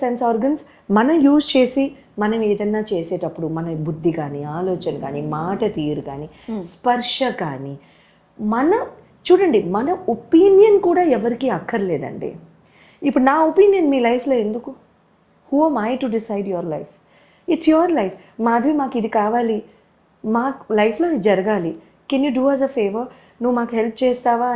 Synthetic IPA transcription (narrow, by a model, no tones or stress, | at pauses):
sensaːɾɡɐns | mɐnɐmjuːst͡ʃe̞ːsi | mɐnɐmɛːd̪ɐnːaːt͡ʃeːsɛːʈɐpːuɽumɐnɐbud̪ʱːikaːniaːlɔːt͡ʃɐnɐka̰ːnimaːʈɐt̪iːɾuka̰ːni | spɐɾʂɐkaːni | mɐnɐ | t͡ʃuːɽɐɳɖimɐnɐopiːnjɐnkuːɽaːɛʋɐɾikiɐkʰːɐɾɐleːd̪ɐ̰ɳɖḛː | ipːuɽunaːopiːnjɐnmiːlɐjpʰloːe̞nd̪uku | huːɛmajʈuɖisɐjɖjoɾlɐjf | iʈsjoɾlɐjf | maːɐd̪ʱʋimaːkid̪ikaːʋaːli | maːklɐjpʰlo̞ːd͡ʒɐɾɐɡaːli | kenjuːɖuːaːzɐfʰeːʋɐɾ | nuʋːumaːkuɦelp̚ʰt͡ʃɛːst̪aːʋaː